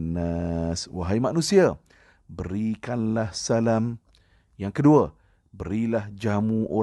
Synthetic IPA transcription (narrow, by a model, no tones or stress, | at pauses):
naswa̰ɦajmanũsia | bəɾikanlahsalam | jaŋkədua | bəɾilahd͡ʒamũʔo